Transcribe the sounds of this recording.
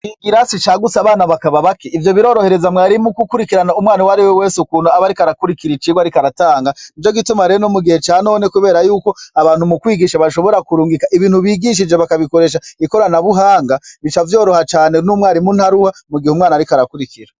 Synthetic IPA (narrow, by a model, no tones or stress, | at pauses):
iɡiɾasit͡ʃaːɡut͡saːβaːnaβakaβaβakeʔivjo̞βiɾo̞ːɾo̞he̞ɾe̞zamŋaːɾimukukuɾikiɾanaumwaːniwaɾiwewe̞ːsukuːnoaβaɾikaɾakuɾikiɾit͡ʃiɡwaɾikaɾataːŋɡait͡ʃo̞ɡitumaɾenomuɡihe̞t͡ʃaːno̞ːne̞kuβe̞ːɾajuːko̞aβaːn̥humukwiːɡiʃaβaʃo̞βo̞ɾakuɾuːŋɡikaʔiβiːnhuβiːɡiʃ̬id͡ʒeβakaβiko̞ɾe̞ʃ̬aiko̞ɾanaβuɦaːŋɡaβit͡ʃavjo̞ːɾo̞hat͡ʃaːnenumŋwaːɾimunhaɾuhamuɡihumŋaːnaɾikaɾakuɾikiɾa